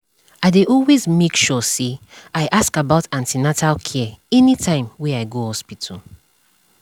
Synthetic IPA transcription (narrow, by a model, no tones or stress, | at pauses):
aɪdeʔɔlwezmekʃɔseaɪʔaskabaʊtãntinatʰalkʰɛɛɛnitʰãɪ̃mwɛaɪɡohɔspitʰul